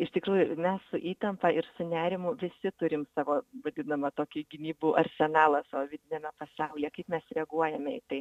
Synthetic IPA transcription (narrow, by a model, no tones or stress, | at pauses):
ɪʃt̪ʲɪkɾuːjʊmʲɛssʊʔiːt̪ɐmpɐɪɾsʊnʲæːɾʲɪmʊʋʲɪsʲɪt̪ʊɾʲɪmsɑːʋoːʋɐd̪ʲɪnɐmɐt̪oːkʲɪɡʲɪnʲiːbuːʔɐɾʲsʲɛnɑːlˠɐsɑːʋoːʋʲɪd̪ʲɪnʲeːmʲɛpɐsɑʊlʲɛkɐɪpmʲɛsɾʲɛɐɡuɔjɛmʲɛḭt̪ɐɪ